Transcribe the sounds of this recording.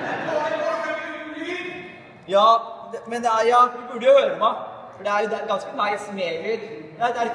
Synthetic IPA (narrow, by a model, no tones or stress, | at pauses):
jɑːd̪ɛmɛnd̪ɛæɾjɑːʋ̪ɪbʉɖːəjʊhøːɾəpɔmæ | fɔɖɛæɾjʊd̪æɾɡɑnskəmæɪsmeːlɪɾd̪ɛæɾɪ